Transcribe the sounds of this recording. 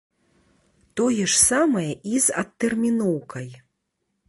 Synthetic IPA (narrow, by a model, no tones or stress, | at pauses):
t̪ɔjɛʂsamɐjɐʔizɐt̪ːɛrmʲinɔwkɐj